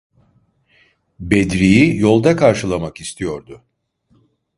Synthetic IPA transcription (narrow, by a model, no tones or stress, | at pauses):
bɛd̪ɾijijo̞lˠd̪akʰaɾʃɯlˠamakist̪ʰijo̞ɾd̪ʊ